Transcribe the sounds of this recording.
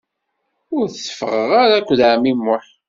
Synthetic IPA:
ʊɾθsə̥fəʁəʁaɾækʷːðʕamimːʊħ

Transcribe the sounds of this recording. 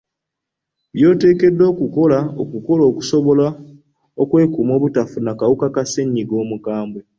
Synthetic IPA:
βjo̞ːte̞ːke̞dːo̞ːkuko̞laokuko̞lo̞ːku̥so̞βo̞la | okwe̞ːkumo̞ːβutafunakawukakaseɲːiɡo̞ːmukaːmbwe

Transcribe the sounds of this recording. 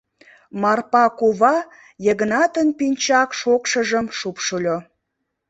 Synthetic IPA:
mɑrpɑkuβɑ | jəɣənɑt̪ənpinʲt͡ɕɑkʃokʃəʒəmʃupʃulʲo

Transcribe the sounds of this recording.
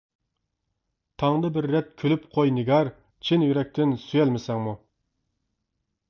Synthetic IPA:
t̪ʰɑŋd̪ɨbɪɾːɛt̪̚kʲʰølypqʰojnɪɡʲɑɾ | t͡ʃʰinjyɾɛk̚ʲt̪ʰɪnsyjɛlmɪsɛŋmu

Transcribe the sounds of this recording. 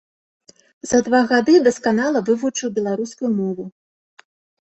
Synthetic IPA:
z̥ɐd̪vaɣad̪ɨd̪ɐskanalˠɐvɨvut͡ʂɨwbʲɛlˠaɾuskujumɔvu

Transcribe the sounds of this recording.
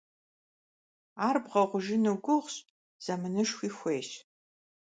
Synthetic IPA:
aːrbʁɐʁʷʊʒɪnɨɡʷʊʁɕʼ | z̥ɐmɨnɨʃxʷiːxʷeːʃ

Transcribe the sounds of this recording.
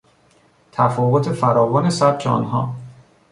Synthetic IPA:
t̪ʰæfɒːɣot̪ʰefæɾɒːvɒːnesæb̚t͡ʃʰeɒ̰nɦɒː

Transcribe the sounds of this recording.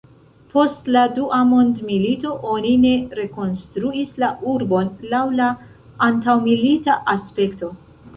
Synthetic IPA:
po̞stladuʔamo̞ndmilito̞ʔo̞nine̞ɾe̞ko̞nstɾuislauɾbo̞nlawlaː | ntawmilitaʔaspe̞kto̞

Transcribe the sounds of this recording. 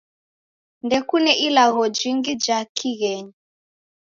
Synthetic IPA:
ndɛkunɛʔilaɣɔd͡ʒiŋɡid͡ʒakʰiɣɛɲi

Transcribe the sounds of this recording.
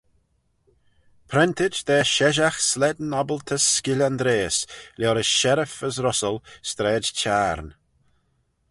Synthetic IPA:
pʰɾɛnt̪ɪd͡ʒd̪ɛːʃɛʒaxslɛd̪nɔbəlt̪ʰəsːkɪlʲand̪ɾeːslʲɔːɾəsʃɛɾəfəsɾʊsəlst̪ɾɛːd͡ʒt͡ʃʰaːɾn

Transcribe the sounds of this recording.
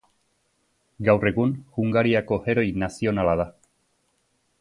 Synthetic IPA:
ɡawre̞ɣunʝuŋɡaɾiako̞he̞ɾo̞jnasio̞nalað̞a

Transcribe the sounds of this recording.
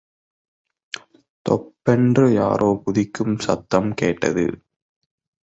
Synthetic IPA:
t̪ɔ̰pːɛndrɯjaːɾʔoːpʊðɪkːɯmsɐ̰t̪ːɐmkeːʈːɐ̰ðɯ̰

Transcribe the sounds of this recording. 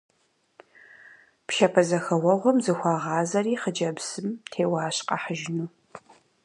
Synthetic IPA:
pʃɐpʰɐzɐxɐwɐʁʷɔmzɨxʷɑːʁɑːzɐriːχəd͡ʒɐbsɨmtʰeːwɑːɕqɑ̰ħəʒɪnuː

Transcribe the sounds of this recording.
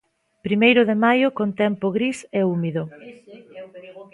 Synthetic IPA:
pɾimejɾʊðɪmajʊkont̪ɛmpʊɣɾiseumiðʊ

